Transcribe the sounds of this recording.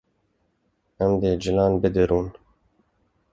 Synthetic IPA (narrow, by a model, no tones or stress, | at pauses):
ɛmd̪ed͡ʒɪlɑːnbɨd̪ɨɾuːn